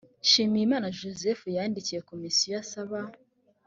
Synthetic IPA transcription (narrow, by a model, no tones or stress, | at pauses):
ʃiːmijimaːnaʒozefujaːndicije̞komisijojasaβa